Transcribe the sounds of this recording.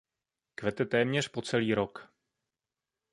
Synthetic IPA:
kvɛt̪ɛt̪ɛːmɲɛr̝̥po̞t͡sɛliːɾo̞k

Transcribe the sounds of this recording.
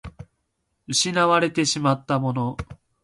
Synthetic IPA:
ɯ̟ɕinaβaɾe̞t̪e̞ɕimat̪ːamo̞no̞

